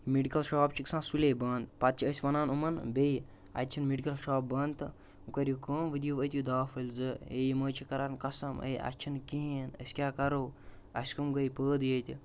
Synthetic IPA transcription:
meɖikɐlʃaːpt͡ʃʰiksãːsuleːbɐnt̪pɐt̪̚t͡ʃʰiəsʲʋɐnaːnumɐnbʲej | ɐ̰t̪̚ʲt͡ʃʰinmeɖikɐlʃaːp̚bɐnt̪ɨ | ukɐɾʲjukəːmʋɨd̪juʋət̪ʲjud̪aːfɐlʲzɨejiməːt͡ʃʰikɐɾankɐsɐmə̰jʔɐ̰t͡ʃʰinkiɦĩnɐ̰sʲkʲaːkɐɾow | ɐ̰sʲkumɡəjpəːd̪jət̪ʲi

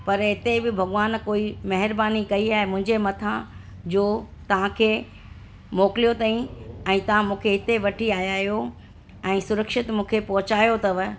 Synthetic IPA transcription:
pɐɾɦɪt̪ebɪbʱɐɡʋaːnkoːimɐɦɪɾbaːnikɐiaːɦemʊ̃ɦɪ̃ɲd͡ʑemɐt̪ʰã | d͡ʑoː | t̪ɐʋ̤ãkʰeː | moːkɪlijot̪aːĩɛ̃ːt̪ɐʋ̤ãmũːkʰeɦɪt̪eʋɐʈʰiaːjaːɦjo | ɛ̃ːsʊɾəkʃɪt̪mũːkʰepɐɦʊt͡ɕaːjot̪ɐʋə

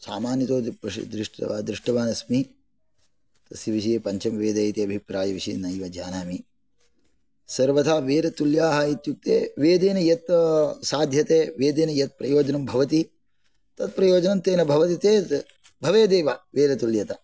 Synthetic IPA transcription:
sa̰ːmaːnjɐt̪oːt̪ipɾɐ̰d̪ɾiʂʈɐ̰aːd̪ɾɪʂʈɐʋaːnɐsmi | t̪ɐsjiʋiʃ̬ijepɐɲt͡ʃɐmʋeːd̪ɐjt̪eɐbʱipɾaːjɐʋiʃḭnɐjʋɐd͡ʒa̰ːnaːmi | sɐɾʋɐt̪ʰaːʋeːɾɐt̪uljaːɦɐit̪juk̚t̪eːʋeːd̪eːnɐjɐt̪saːd̪ʱjɐt̪eːʋeːd̪eːnɐjɐt̪̚pɾɐjoːd͡ʒɐnɐmbʱɐʋɐt̪̬i | t̪ɐt̪̚pɾɐjoːd͡ʒɐnɐnt̪eːnɐbʱɐʋɐt̪it̪eː | bʱɐʋeːd̪eːʋaʋeːɾɐt̪uljɐt̪ɐ

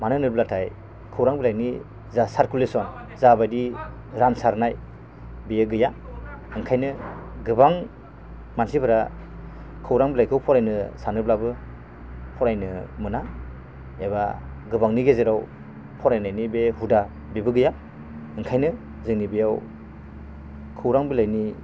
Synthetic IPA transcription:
manɯnɯɾblatʰaj | kʰɯwɾaŋbilajni | zasaɾkulesɔn | zabajdi | ɾansaɾnaj | bejeɡɯjaɯŋkʰajnɯɡɯbaŋ | mansibʰɯɾa | kʰɯwɾaŋbilajkʰɯwpʰɔɾajnɯsanɯblabɯ | pʰɔɾajnɯmɯna | eβa̰ | ɡɯbaŋniɡezeɾaw | pʰɔɾajnajnibehuda | bebɯɡɯja | ɯŋkʰajnɯ | zɯŋnibejaw | kʰɯwɾaŋbilajni

